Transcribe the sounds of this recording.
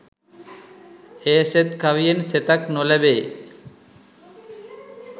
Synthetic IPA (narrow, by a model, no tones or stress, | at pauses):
heset̪kʰaʋijenset̪aknolebeː